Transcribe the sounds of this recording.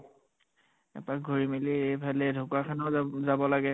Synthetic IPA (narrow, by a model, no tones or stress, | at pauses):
ɛ̰pak̚ɡʱoɹimiliejbʰʱalɛdʱʊkakʰanɔzabɔlaɡɛ